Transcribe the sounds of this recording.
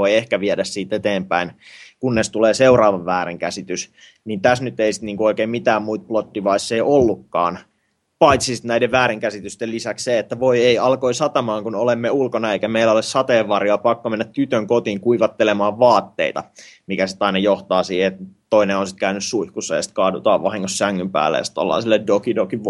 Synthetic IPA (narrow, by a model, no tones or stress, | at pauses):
oiehkæʋiɛdæssiːt̪et̪eːmpæinkunːest̪uleːseurɑːʋɑʋʋæːɾeŋkæsit̪ys | niːnt̪æsnyt̪ːeisi̥t̪niːŋkuoikeːmmit̪æːmmuit̪̚plot̪ːiʋɑisːeiolːukːɑ̰ːn | pɑit̪sisi̥t̪næideʋʋæːɾiŋkæsit̪yst̪ellisæksseet̪ːæʋoieiɑlkoisɑt̪ɑmɑːŋkunolemːeulkonɑeikæmeilːæolessɑt̪eːʋʋɑrjoɑpɑkːomenːæt̪t̪yt̪øŋkot̪iːŋkuiʋɑt̪ːelemɑːʋʋɑːt̪ːḛit̪ɑ̰mikæsit̪ɑinɑjoht̪ɑːsiːheet̪t̪oineonsi̥t̪kæynyssuihkusːɑjɑsi̥t̪kɑːdut̪ɑ̰ːʋʋɑhiŋːossæŋːympæ̰ːlːḛjɑsit̪o̰lːɑ̰ːsilːedokidoki